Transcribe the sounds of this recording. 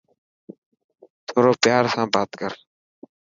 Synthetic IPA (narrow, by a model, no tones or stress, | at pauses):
t̪ʰoːɾoːpjaːɾsãːbaːt̪kəɾ